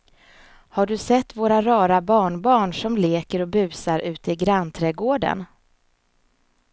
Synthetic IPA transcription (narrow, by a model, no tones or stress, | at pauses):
haɖɵsɛt̪ːvoːɾaɾɑːɾabɑːɳbɑːɳʂɔmleːkəɾɔbʉ̟ːsaɾʉ̟ːt̪əɪɡɾanːt̪ʰɾɛːɡoːɖə̰n